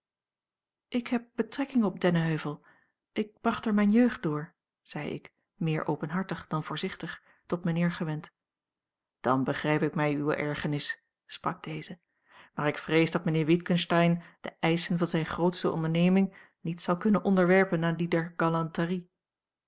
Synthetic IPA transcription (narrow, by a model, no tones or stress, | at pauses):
ʔɪkɦɛp̚b̥ətrɛkɪŋɔp̚dɛnəɦøɥvəlˠ | ʔɪk̚b̥rɑχtəɹmɛjnjøɥχd̚ʊːɹ | z̥ɛjɪ̰k | mɪːɹʔo̰wpənɦɑɹtəχd̥ɑnvʊːɹzɪχtəχ | tɔtmənɪːɹχəʋɛnt | d̥ɑnbəχrɛjpɪkmɛjywə̰ʔɛɹχənɪs | sprɑɡ̚d̥ejzə | maːɹɪkfrejzdɑt̚mənɪːɹʋɪtkənstɛjnd̥əʔɛjsənvɑnzɛjnχrowtstəʔɔ̰ndəɹnejmɪŋ | nitsɑlˠkɵnənʔɔndəɹʋɛɹpənaːdidɛɹɡɑlɑntəri